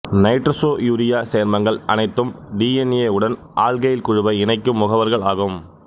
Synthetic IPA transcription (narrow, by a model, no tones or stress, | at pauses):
nɐɪʈɾɐsoːjuːɾɪjaːseːɐɾmɐŋɡɐɭɐ̰nɐɪt̪ːɯmɖiːɛneːɯɽɐn | ʔaːɭɣɐjɪlkʊɻʊbɐɪɪnɐɪkːɯmːʊɣɐʋɐɾɣɐɭaːɣɯm